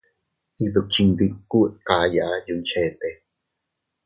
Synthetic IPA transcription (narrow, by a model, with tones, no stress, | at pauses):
i˧ðu˨k̚t͡ʃi˧nd̪i˧kːu˦ʔka˧ja˨ʔa˧ju˧nt͡ʃe˧t̪e˨